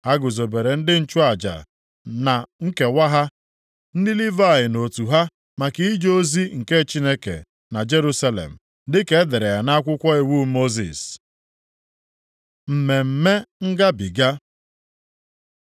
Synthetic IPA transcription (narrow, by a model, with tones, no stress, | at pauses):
ha˦ɡʊ˨zo˨be˨ɾe˨n̩˦dɪ˦n̩˦t͡ʃʊ˦a˨d͡ʒa̰˨ | na˨ŋ̩˦ke˨wa˦ɦa˦ | n̩˦dɪ˦li˦va˦˨jɪ˨no˨tu˨ɦa˦ | ma˨ki˦i˦d͡ʒo˦zi˦ŋ̩˨ke˦˨t͡ʃi˦ne˦kḛ˨ | na˨d͡ʒe˦ɾu˦sa˦lḛ˨m̩˨ | dɪ˦ke˦de˨ɾe˨ja˨na˦kʷʊ˦kʷɔ˦e˨wu˦mo˦zḭ˨s | m̩˨me˨m̩˨me˦ŋ̩˦ɡa˦bi˨ɡa˦